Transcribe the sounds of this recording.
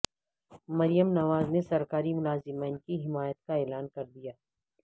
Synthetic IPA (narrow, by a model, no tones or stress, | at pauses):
mɐɾijəmnɐʋaːznesɐɾkaːɾimʊlaːzɪmiːnkiɦɪmaːjət̪̚kaeːlaːnkɐɾd̪ijaː